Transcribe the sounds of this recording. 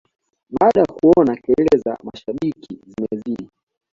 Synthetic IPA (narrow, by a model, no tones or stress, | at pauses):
ɓaːɗajakuɔnakɛɛlɛza̰maʃaɓikʰizimɛziɗi